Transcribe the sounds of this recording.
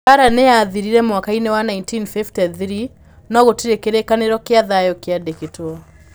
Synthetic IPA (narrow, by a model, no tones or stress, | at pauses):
aɾaneaːðiɾiɾɛmwakainewanaintinfiftɛθɾi | nɔɣotiɾekeɾekaneɾɔkeaðajɔkeadeketoɔ